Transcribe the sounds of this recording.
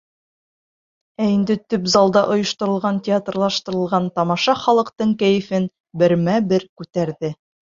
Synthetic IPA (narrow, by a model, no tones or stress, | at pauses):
æind̪ɘt̪ɵpzɑlˠd̪ɑʔŏjŏʃt̪ŏɾɤ̆lˠʁɑntʲɪat̪rlˠɑʃt̪ɤ̆ɾɤ̆lˠʁɑnt̪ɑmɑʃɑχɑlˠɤ̆qt̪ɤɴkæjɘ̆fɘn | bɘ̆ɾmæbɘɾkʉt̪æɾðɘ